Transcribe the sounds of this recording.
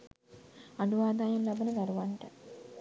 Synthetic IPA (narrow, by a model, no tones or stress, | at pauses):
aɖuʋaːd̪aːjɐnlabənəd̪aɾuʋaɳʈə